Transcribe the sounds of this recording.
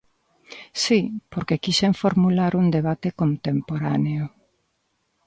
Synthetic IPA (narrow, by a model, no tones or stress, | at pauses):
sipoɾkekiseɱfoɾmulaɾund̪eβ̞at̪ekont̪empoɾaneʊ